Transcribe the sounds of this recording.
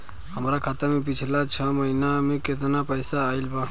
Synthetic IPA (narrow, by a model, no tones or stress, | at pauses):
həmɾakʰaːt̪amẽp̬ɪt͡ʃʰlat͡ʃʰəməɦinamẽket̪napəjsaːilbaː